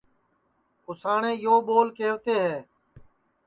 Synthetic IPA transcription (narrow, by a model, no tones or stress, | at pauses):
ʊsaːɳẽːjoːɓoːlkeːʋt̪eːɦɛː